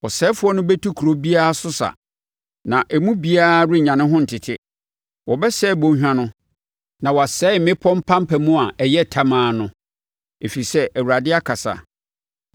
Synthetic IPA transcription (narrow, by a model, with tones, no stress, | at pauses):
wɔ˨sɛː˦fʊ˦ɔ˦nʊ̃˦bɛ˦tʰu˦kʰu˨ɾo˦bi˦a˦a˦˨sʊ˦sa̰˨ | nã˨ʔɛ˨mũ˦bi˦a˦ɾi˦˨ɲã˨nɪ̃˦ɦʊ̃˦n̩˨tʰɪ˨tʰɪ˦ | wʔɔ˨bɛ˦sɛ˦˨bõ˦ɕᶣã˦nʊ̃˦ | nã˨wɔ˨a˨sɛː˦mɪ̃˦pʰɔ̃˦m̩˦pʰã˦m˦pʰæ˨mũ˦a˨ɛ˨jɛ˦tʰa˦mãː˨˦nʊ̃˦ | e˨fi˨i˨sɛ˦ʔæ˨wu˨ɾa˨dɪ˦a˦kʰa˨sa̰˨